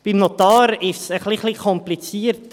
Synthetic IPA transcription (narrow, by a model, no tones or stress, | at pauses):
b̥imnɔt̪ɑːɾɪʃsəχliχlikʰɔmplit͡siəɾt